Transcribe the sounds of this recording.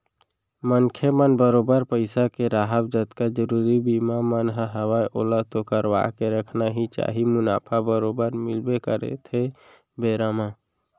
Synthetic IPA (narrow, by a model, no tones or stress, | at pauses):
mənkʰemənbəɾobəɾpəɪsakeɾaɦəbd͡ʒət̪kad͡ʒəɾuɾibimamənɦəɦəwajʔolat̪okəɾwa̰keɾəkʰnaɦit͡ʃa̰ɦimʊna̰ːpʰabəɾobəɾmilbekəɾḛt̪ʰe | beɾama